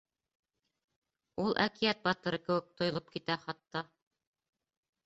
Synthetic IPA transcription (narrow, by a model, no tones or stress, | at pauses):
ulˠʔækijæt̪̚bɑt̪ɤ̆ɾɤkɘ̆wɘk̚t̪ŏjŏlˠop̚kit̪æχɑt̪ːɑ